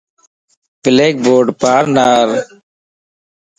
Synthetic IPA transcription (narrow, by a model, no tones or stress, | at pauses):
b̥ɪleːk̚boːɖpaːɾnaːɾ